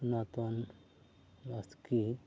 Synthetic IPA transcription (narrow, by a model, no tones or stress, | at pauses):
nat̪on | aski